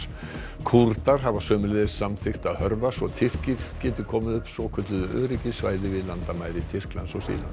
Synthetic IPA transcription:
kʰuɾt̪aɾ̥ɦavasœːmʏleðɪsːamθɪxt̪aðhœɾvasvɔt̪ʰɪr̥cɪɾ̥cɛːt̪ʏkʰɔːmɪðʏhpsɔkʰʏt̪lʏðʏʔœ̰ːɾicɪsva̰ːjðɪvɪlant̪amaːjɾɪt̪ʰɪr̥kla̰nsɔsḭːla̰n

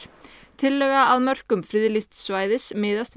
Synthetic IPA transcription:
t̪ʰɪlːœɣaaðmœr̥kʏmfɾɪːðlist̪svaːjðɪsmɪːðast̪

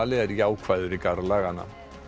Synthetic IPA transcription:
alɪɛɾjaːwkʰv̥ajðʏɾikaɾlaːɣana̰

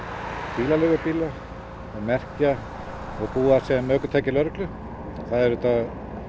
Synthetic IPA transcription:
piːlalɛːɣʏpiːla | ɔɣmɛr̥ca | ɔɣpuːasɛmœːkʏt̪ʰaːjcɪlœɾklʏ | θaðɛɾʏt̪a

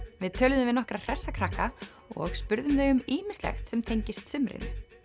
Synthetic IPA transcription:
vɪðt̪ʰœːlðʏmvɪðnɔhkɾḁr̥ɛsːakʰɾaka | ɔ̰ɣspʏɾðʏmðejʏmiːmɪ̥slɛ̰xt̪sɛmt̪ʰejɲcɪst̪sʏmɾɪ̰n

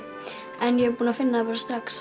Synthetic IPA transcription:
ɛnjɛɣpuːnafɪnːapɛɾst̪ɾaks

